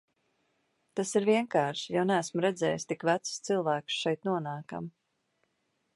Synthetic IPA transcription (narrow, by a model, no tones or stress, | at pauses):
t̪asiɾviɛŋkaːɾʃi̥jawnææsmuɾɛd̪zɛ̰ːjst̪ikvæt̪sst̪silˠvæːksʃɛjt̪nuɔnaːka̰m